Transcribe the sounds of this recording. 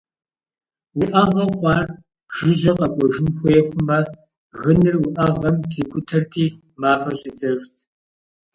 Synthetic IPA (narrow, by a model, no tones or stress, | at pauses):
wʊʔɐʁɐχʷɑːr | ʒ̥ɪʑɐqɐkʷʼɔʒɪnxʷɔjɛxʷʊmɐ | ɣɨnɨrwʊʔɐʁɐmtʰiːkʷʼʊtʰɐrtʰiː | maːfɐɕʼɪd͡zɐʒtʰ